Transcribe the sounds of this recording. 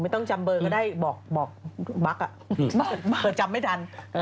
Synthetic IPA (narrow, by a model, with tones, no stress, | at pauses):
ma˥˩jt̪ɔ˥˩ŋt͡ɕa˧mbɤː˧kɔ˥˩daː˥˩jbɔː˨˩k̚bɔː˨˩k̚ba˦˥k̚ʔa˨˩ʔ | pɤː˨˧˩t̪̚t͡ɕa˧mːa˥˩jt̪ʰa˧n